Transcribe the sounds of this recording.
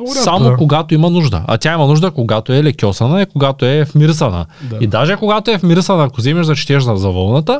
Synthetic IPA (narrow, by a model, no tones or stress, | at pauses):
samokoɡat̪oimɐnuʒd̪ɐ̰a̰t̪ʲjaimɐnuʒd̪əkoɡat̪oɛlɛkʲjɔsɐnɐɛkoɡat̪oɛfmʲiɾsɐnɐ̰id̪aʒɛkoɡat̪oɛfmʲiɾsɐnɐːkozɛmɛʃzɐt͡ʃi̥t̪ʲɛʃzɐzɐvəlˠnɐt̪ə